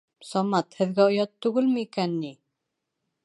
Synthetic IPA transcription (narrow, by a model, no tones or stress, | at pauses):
sɒmɑt̪hɘ̆ðɡæojɑt̪ːʉɣɘlmɘikænːi